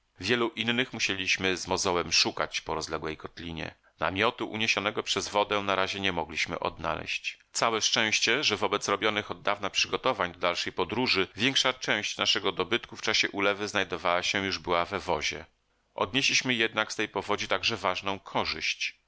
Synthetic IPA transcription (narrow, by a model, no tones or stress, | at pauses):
vʲjɛluʔinːɘxmuɕelʲiɕmɘzmɔzɔwɛmʂukat͡ɕpɔɾɔzlɛɡwɛjkɔt̪lʲiɲɛ̰ | na̰mʲjɔt̪uʔṵɲeɕɔnɛɡɔpʂɛzvɔd̪ɛnaɾaʑɛɲɛmɔɡlʲiɕmɘ̰ʔɔ̰d̪̚na̰lɛ̰ɕt͡ɕt̪sawɛʂt͡ʂɛ̃w̃ɕt͡ɕɛʐɛvɔbɛt̪sɾɔbʲjɔnɘxɔd̪ːavnapʂɘɡɔt̪ɔvaɲd̪ɔd̪alʂɛjpɔd̪ɾuʐɘvʲjɛŋkʂat͡ʂɛ̃w̃ɕt͡ɕnaʂɛɡɔd̪ɔbɘt̪kuft͡ʂaɕɛʔulɛvɘznajd̪ɔvawaɕɛjuʐbɘwavɛvɔʑɛ̰ | ʔɔ̰d̪̚ɲeɕlʲiɕmɘjɛd̪nakst̪ɛjpɔvɔd͡ʑit̪aɡʐɛvaʐnɔ̃w̃kʰɔʐɘɕt͡ɕ